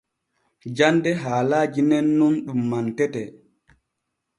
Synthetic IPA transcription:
d͡ʒandɛɦaːlaːd͡ʒinɛnːunɗumːantɛtɛ

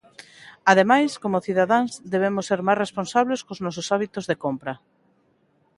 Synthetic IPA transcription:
að̞emajskomʊθiðaðanzðeβ̞emʊsːeɾmajsresponsaβleskoznɔs̬ʊsaβ̞it̪ozðekompɾɐ

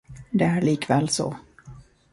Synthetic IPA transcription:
d̪ɛæɭiːkvɛːlsɔ̰

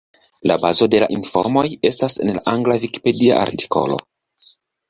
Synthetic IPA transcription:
labazo̞de̞la̰ʔinfo̞̰ɾmo̞je̞stase̞nlaʔaŋɡlaviki̥pe̞dia̰ʔa̰ɾti̥ko̞̰lo̞̰

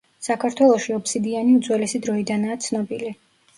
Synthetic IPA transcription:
sakʰaɾt̪ʰwɛlˠɔʃiɔpsid̪ianiud̪zwɛlɛsid̪ɾɔid̪anaːt̪sʰnɔbili

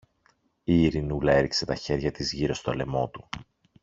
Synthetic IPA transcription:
iːɾinulɐe̞ɾikse̞t̪ɐçe̞ɾʝɐt̪izʝiɾo̞st̪oɐle̞mo̞t̪u

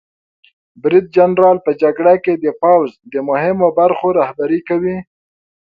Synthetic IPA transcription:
bɾid̪̚d͡ʒanɾɑlpəd͡ʒaɡɽaked̪əpawzd̪əmʊhɪmobaɾxoɾɑhbaɾikawi

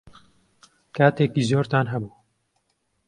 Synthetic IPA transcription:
kaːt̪ekizoːɾt̪aːnɦɛbuː

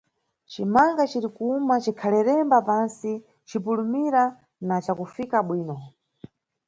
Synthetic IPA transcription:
t͡ʃimaŋɡat͡ʃiɾikuumat͡ʃikʰalɛɾɛmbapansi | t͡ʃipulumiɾa | nat͡ʃakufikaɓwiːnɔ

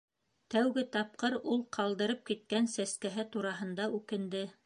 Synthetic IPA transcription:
t̪æwɡɘt̪ɑp̚qɤɾulˠqʰɑlˠd̪ɤ̆ɾɤp̚kit̪̚kænsæskæɦɘt̪uɾɑɦɤ̆nd̪ɑʉkɘ̆nd̪ɘ

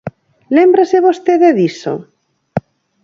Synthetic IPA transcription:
lembɾaseβost̪eðeðiso̰

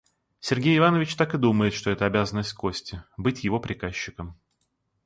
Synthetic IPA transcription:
sʲɪrɡʲejɪvanəvʲɪt͡ɕt̪akɨd̪uməjɪt̪ʂt̪oɛt̪əɐbʲazənːəsʲt̚ʲko̞sʲtʲɪbɨtʲjɪvo̞pɾʲɪkaɕːɪkəm

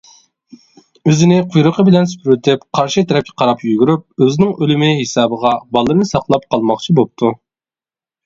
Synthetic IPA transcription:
øzɪnɪqʰʊjɾʊqʰəbɪlɛnsy̥pɾyt̪ʰɪpqʰɑɾʃit̪ʰɛɾɛp̚kʲʰɛ̥qʰɑɾɑpjyɡʲyɾyp̚øzɪnɪŋʔølymɪɦesɑːbəʁɑbɑlˠːɨɾnɨsɑqlˠɑp̚qʰɑlˠmɑχt͡ʃʰibop̚t̪ʰu

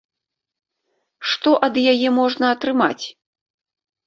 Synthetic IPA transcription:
ʂt̪ɔʔɐd̪jajɛmɔʐnɐːt̪ɾɨma̰t͡sʲ

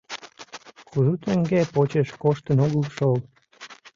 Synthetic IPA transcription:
kʰuzut̪əŋɡepot͡ɕeʃkoʃt̪ənoɣəʃol

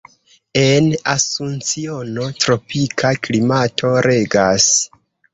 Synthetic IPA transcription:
e̞nasunt͡sio̞notɾo̞pikʰaklimatʰo̞ɾe̞ɡas

